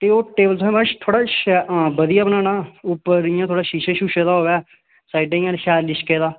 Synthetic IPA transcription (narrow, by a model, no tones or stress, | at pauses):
t̪eːoːʈeːbəlt̪ʰõːbaʃt̪ʰoːɽaːʃbəd̪ijaːbənaːnãːʊpːəɾijãːt̪ʰoːɽaːʃiːʃeːʃuːʃeːd̪aːɦoːʋaː | saːɪɖeːɪjãːʃɛːlɪʃkeːd̪aː